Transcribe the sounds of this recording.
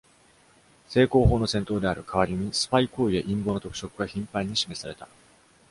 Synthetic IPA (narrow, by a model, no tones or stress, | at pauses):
se̞ːko̞ːɦo̞ːno̞sẽnt̪o̞ːd̪e̞aɾɯ̟kʰaβaɾʲimʲisɨ̥paiko̞ːie̞ʔĩmbo̞ːnot̪o̞kɯ̥ɕo̞kɯ̟ɡaçĩmpãɲ̟ːiɕime̞saɾe̞t̪a